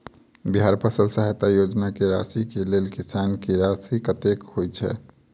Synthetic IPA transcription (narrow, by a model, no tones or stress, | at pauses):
biɦaɾpəsəlsaɦet̪ajod͡ʒnakeɾasikelelkisankeɾasikət̪ekhojt͡ʃʰɛ̰